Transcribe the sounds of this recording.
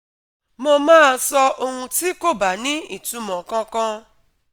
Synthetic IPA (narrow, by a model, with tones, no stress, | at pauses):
mɔ̃˧mãː˦˨sɔ˧ʔo˦ŋũ˧ti˦ko˦ba˨nĩ˦i˨tũ˦mɔ̃˨kɔ̃˦kɔ̃˦